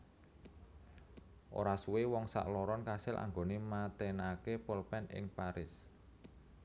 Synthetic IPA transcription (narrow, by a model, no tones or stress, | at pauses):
ʔo̰ɾasuwewɔŋsa̰ʔlɔɾɔnkasɪlʔa̰ŋɡonemat̪enakepəlpɛnɪ̰ŋpaɾɪs